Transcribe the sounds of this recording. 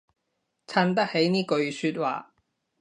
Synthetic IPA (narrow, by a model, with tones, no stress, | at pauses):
t͡sʰaː˧˥nt̪ɐ˥k̚he˨˥jniː˥kɵ˧ɥsyː˧t̚wa̰ː˨